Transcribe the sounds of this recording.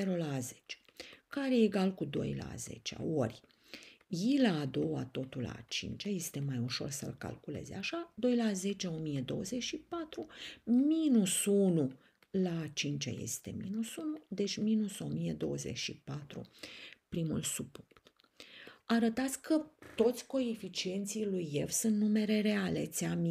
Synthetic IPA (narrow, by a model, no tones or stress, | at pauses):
eɾolazet͡ʃe̥kaɾeeɡalkud̪o̰jla̰zḛt͡ʃea̰orʲ | jilaːd̪o̞wa̰t̪o̞t̪ula̰t͡ʃḭnt͡ʃaje̞st̪e̞majuʃo̞̰rsə̰lka̰lkule̞̰zaʃad̪o̞jlaze̞t͡ʃeo̞mijed̪o̞̰wəze̞t͡ʃʃipat̪ɾuminusunu | lat͡ʃint͡ʃa̰je̞̰st̪e̞̰mḭnusunud̪e̞t͡ʃʲminuso̞mijed̪o̞wəze̞̰ʃipat̪ɾṵpɾimṵlsupukt̪ | aɾət̪at̪sʲkʰət̪o̞t̪sʲko̞efit͡ʃie̞nt̪sijlujefsunt̪nume̞ɾe̞ɾe̞ale̞̰t̪sʲami